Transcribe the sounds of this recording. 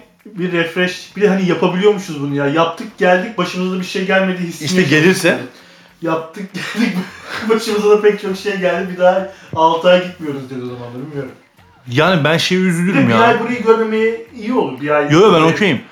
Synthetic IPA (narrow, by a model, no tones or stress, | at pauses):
biɾːɛfɾɛʃb̥ilʲɛɦanijapʰabilʲijo̞ɾmuʃunzbununjaːjap̚t̪ʰɯk̚ɟælʲd̪ic̚baʃɯmɯzad̪abiʃejɟælʲme̞d̪iːɦisːiʃiɛɟelʲiɾsɛ | jap̚t̪ʰɯk̚ɟælʲd̪ic̚baʃɯmɯzad̪apɛc̚t͡ʃʰokʃejɛɟælʲd̪ibid̪aːalˠt̪ʰaːjaɟit̪mijo̞ɾuzd̪ied̪iozamanˠadbilʲmijoɾum | jaːnibænʃejiyzylʲyɾmjaid̪ajbuɾajiɟøɾmʲemejɛijiolˠuɾbiajjojobænokʰojim